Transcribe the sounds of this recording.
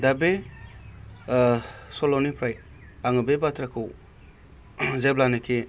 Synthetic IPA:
dabe | solɔnipʰɾaj | aŋɯbebatʰɾakʰɯw | zeblanekʰe

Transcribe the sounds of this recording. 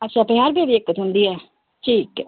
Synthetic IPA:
ətːʃʰãːəpnĩːaːɾbeːʋiekːət̪ɦʊ̃nd̪iːɦɛː | ʈʰiːk

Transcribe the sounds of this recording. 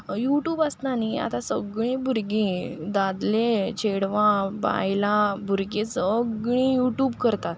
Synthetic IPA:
juʈjuːbəst̪nania̰t̪asəɡɭĩbʱuɾɡĩd̪ad̪let͡ɕʰeɽʋãba̰jlabʱuɾɡesəɡɭĩjuʈjuːbkəɾt̪at̪

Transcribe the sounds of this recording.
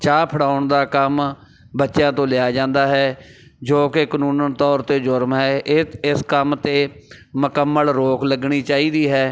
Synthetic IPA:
t͡ʃaːpʰəɽaːʊɳd̪aːkəm | bətːʃjãːt̪õːlɪaːd͡ʒãːnd̪aːɦɛː | d͡ʒoːkekənuːnənt̪ɔːɾt̪eːd͡ʒʊɾmɦɛːʔɪskəmt̪eːməkəmːəlɾoːkləɡɳ̃iːt͡ʃaːiːd̪iːɦɛː

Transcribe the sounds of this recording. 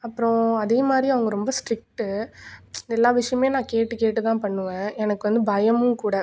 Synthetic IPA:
ɐpːɯɾõɐðeːmaːd̪ɾiɐʋɐŋɡɐɾɔmbɐsʈɾɪk̚ʈɯ | ɪɛlːaːʋɪʂɐjɐmeːnãːkeːʈːɯkeːʈːɯt̪ãːpɐɳːɯʋẽːɛnɐkːɯʋɐnd̪ɯbɐjɐmɯ̃kuːɽɐ

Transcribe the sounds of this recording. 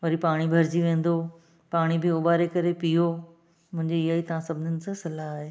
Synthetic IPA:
ʋɐɾipaːɽ̃ibʱɐɾd͡ʑiʋẽːn̆d̪o | paːɽ̃ibɪʊbaːɾekɐɾepiːo | mʊ̃ɦɪ̃ɲd͡ʑeɪɦaːit̪ɐʋãsɐbʱɪnənɪ̆sãsɐlaaːɦeː

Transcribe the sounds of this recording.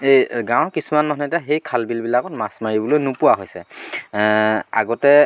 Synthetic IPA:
ejɡãw̃kisumanmɔɦnɛtɛɦejkʰalbilbilakɔtmasmaɹibɔlojnupuwaɦojsɛ | a̰ɡɔtɛ

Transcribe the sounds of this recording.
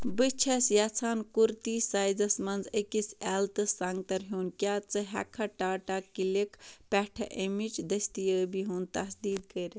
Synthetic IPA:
bət͡ʃʰɐsjat͡sʰaːnkuɾt̪isaːjzɐsmɐnzəkisɛlt̪ɨsaŋɡt̪ɐɾɦuːnkjaːt͡sɐɦɛ̰kʰːɐʈaːʈakilekʰpɛʈʰɐ̰ʔemid͡ʒd̪ɐst̪ijəbiɦunt̪ɐsd̪iːd̪kəɾe

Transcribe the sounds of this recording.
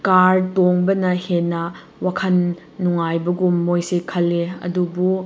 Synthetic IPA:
kaɾtoŋbɐnɐhenːɐ | wakʰɐnː | uŋajbɐɡumːojsekʰɐlːeɐ̰dubu

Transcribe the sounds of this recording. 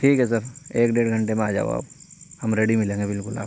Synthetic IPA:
ʈʰiːkɦɛs̬əɾeːkɖeːɽɡʱə̃ɳʈemẽaːd͡ʒa̰ːo̰a̰ːhɐmɾeːɽimɪlẽːŋɡebɪlkʊla̰ːb

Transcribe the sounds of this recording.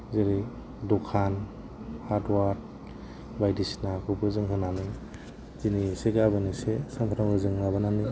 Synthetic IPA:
zeɾi | dokʰan | haɾtwaɾt̚ | bajdisnakʰɯbɯzɯŋɦɯnanɯ | ziniseɡaβɯnisesampʰaɾambɯzɯŋnaβɯnani

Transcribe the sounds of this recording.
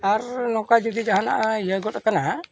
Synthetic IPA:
aɾnɔkad͡ʒɔd̪id͡ʒaɦana̰ʔjəɡɔt̚akana

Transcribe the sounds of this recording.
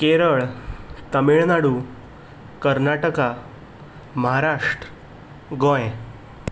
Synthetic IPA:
keɾəɭt̪əmiɭnaɽu | kəɾnaʈəka | məɦaɾaʂʈɾə | ɡõj

